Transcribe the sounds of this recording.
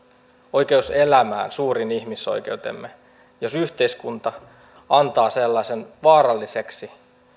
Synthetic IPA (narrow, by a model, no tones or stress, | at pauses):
ojke̞uselæmæ̰ːnsuːɾiniçmiso̞̰jk̟e̞ut̪ḛmːe | jo̞syht̪e̞iskunt̪ɑ | ɑnt̪ɑːselːɑsenʋɑːɾɑlːiseksi